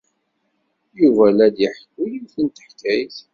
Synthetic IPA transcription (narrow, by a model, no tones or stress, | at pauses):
juvælæd̪jəħə̥kːijiθənt̪ə̥ħkæjθ